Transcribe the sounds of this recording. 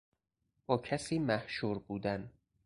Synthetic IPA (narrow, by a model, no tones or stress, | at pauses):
b̥ɒːcʰæsiːmæhʃuːɾbuːd̪æn